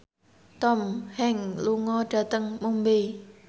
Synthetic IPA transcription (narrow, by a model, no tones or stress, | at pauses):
t̪ɔmhɛŋluŋɔɖ̥a̤t̪əŋmumbe